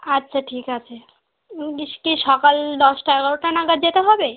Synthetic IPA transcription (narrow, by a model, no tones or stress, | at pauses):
atːɕʰaʈʰikat͡ɕʰe | ikiʃɔkald̪ɔsʈaɛɡɔɾoʈanaɡad̪̚d͡ʑet̪eɦɔbe